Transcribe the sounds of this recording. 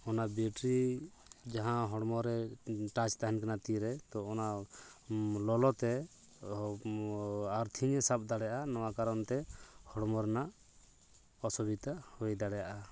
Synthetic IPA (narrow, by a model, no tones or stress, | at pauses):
ɔnabiʈɾi | d͡ʒaɦãɦɔɽmɔɾɛʈat͡ʃt̪aɦɛnkanat̪iɾɛt̪ɔɔna | lɔlɔt̪ɛ | aɾt̪ʰiɲɛsap̚d̪aɽɛjaʔanɔwakaɾɔnt̪ɛhɔɽmɔɾɛnaʔ | ɔsɔbit̪ahɔjd̪aɽɛjaʔa